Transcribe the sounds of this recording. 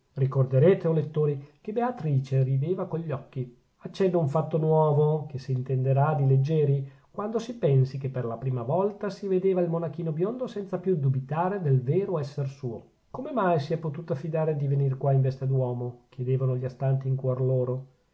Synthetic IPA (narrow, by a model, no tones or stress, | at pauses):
rikord̪eɾeːt̪eolet̪ːoːɾikebeat̪ɾiːt͡ʃerid̪eːvakoʎːɔkːi | at͡ʃːɛd̪ːauɱfat̪ːonwɔːvokesiːnt̪end̪eɾad̪iled͡ʒːɛːɾi | kwand̪osipɛnsikepːerlapɾiːmavɔlt̪asived̪eːvailmonakiːnobjond̪osɛnt̪sapjud̪ubit̪aːɾed̪elveːɾoɛsːersuːo | komemajsiɛpːot̪uːt̪oafːid̪aːɾed̪ivenirkwaiɱvɛst̪ed̪wɔːmokjed̪eːvanoʎiast̪ant̪iːŋkwɔrloːɾo